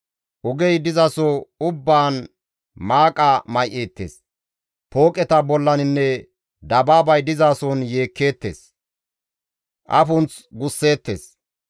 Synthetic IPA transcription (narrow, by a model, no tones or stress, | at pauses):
ʔʊɡɛjd̪ɪzasɔʊbːaːn | maːkʼamɐjʔe̞ːt̪ːḛːs | poːkʼɛt̪ɐbɔlːɐnɪnːɛ | d̪ɐbaːbɐjd̪ɪzaːsɔnje̞ːkːe̞ːt̪ːḛːs | ʔɐ̰fʊnt͡s | ɡʊsːe̞ːt̪ːeːs